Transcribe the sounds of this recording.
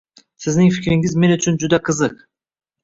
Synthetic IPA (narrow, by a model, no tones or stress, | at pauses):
sɪznɪŋfɪkʲɾɪŋɪzme̞nʊt͡ʃʰʊnd͡ʒʊd̪aqʰɯzɯq